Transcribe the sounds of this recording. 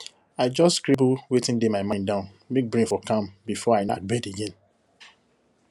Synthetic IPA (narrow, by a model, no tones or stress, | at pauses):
aɪd͡ʒɔstkɹibulwetɪ̃ndemaɪmãɪ̃ndãʊ̃n | mek̚bɹĩnfɔkãmbifɔaɪna̰t̚bɛdeɡẽn